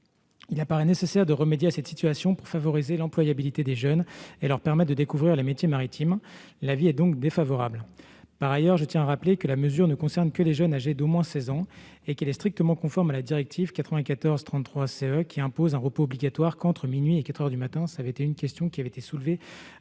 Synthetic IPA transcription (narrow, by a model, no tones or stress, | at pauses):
ilapaʁɛnesesɛʁd̪əʁəmed̪jeasɛt̪sit̪ɥasjɔ̃puʁfavɔʁizelɑ̃plwajabilit̪ed̪eʒœnelœʁpɛʁmɛt̪̚d̪əd̪ekuvʁiʁlemet̪jemaʁit̪ʰim | laviɛd̪ɔ̃kd̪efavɔʁabl | paʁajœʁʒət̪jɛ̃aʁaplekəlaməzyʁnəkɔ̃sɛʁnkəleʒœnaʒed̪omwɛ̃sɛzɑ̃ | ekɛlɛst̪χik̚t̪əmɑ̃kɔ̃fɔʁmalad̪iʁɛk̚t̪ʰivkat̪χəvɛ̃kat̪ɔʁzt̪χɑ̃χwaseœkʲʰiɛ̃pozɛ̃ʁəpoːbliɡʲat̪waʁkɑ̃t̪χəminɥiekat̪χœʁd̪ymat̪ɛ̃savɛet̪eynkʲɛst̪ʰjɔ̃kʲiavɛet̪esulve